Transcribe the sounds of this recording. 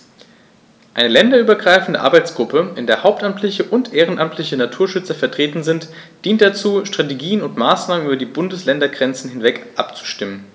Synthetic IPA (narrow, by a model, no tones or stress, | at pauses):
ʔaɪnəlɛndɐyːbɐɡʁaɪfn̩dəʔa̰ɐbaɪt͡sɡ̥ʁʊpʰəɪndeːɐhaʊp̚tʔamtʰlɪçəʔʊntʔeːʁ̞ənʔamtʰlɪçənatʰuːɐʃʏt͡sɐfɛɐtʁ̥eːtn̩zɪnt | d̥iːnt̚d̥at͡suːʃtʁ̥ateɡiːənʊntmaːsnaːmənʔyːbɐdiːbʊndəslɛndɐɡʁɛnt͡sn̩hɪnvɛkʔapt͡su̥ʃtɪmən